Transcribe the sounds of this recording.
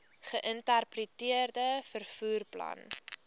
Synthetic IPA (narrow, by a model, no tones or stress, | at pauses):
χəʔəntərprətiərdəfərfuːrplɐ̰n